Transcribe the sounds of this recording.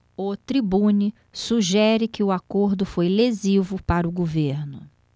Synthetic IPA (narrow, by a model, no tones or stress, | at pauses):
ʊt̪ɾibũni | suʒɛɾɪkɪʊakoɾd̪ʊfojlezivʊpaɾɐʊɡoveɾnʊ